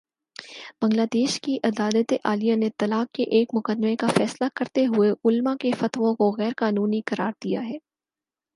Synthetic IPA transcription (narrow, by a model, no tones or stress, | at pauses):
b̥ɐ̃ŋlaːd̪eːʃkiʔɐd̪aːlət̪eʔaːlijanet̪ɐlaːkːeʔeːkmʊkəd̪mekafɛːslakɐɾt̪eɦʊeʊlmakefɐt̪ʋõkoɣɛːɾkaːnuːnikɐɾaːɾd̪̥ijaɦɛː